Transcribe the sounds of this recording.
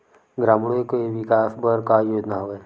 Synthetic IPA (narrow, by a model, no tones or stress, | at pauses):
ɡɾaːmɽ̃oikoeʋɪkaːsbəɾkajoːd͡ʒnaɦoːeː